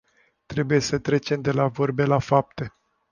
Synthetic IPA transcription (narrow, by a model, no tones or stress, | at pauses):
t̪ɾe̞buje̞sət̪ɾe̞t͡ʃe̞md̪e̞lavo̞rbe̞lafap̚t̪e̞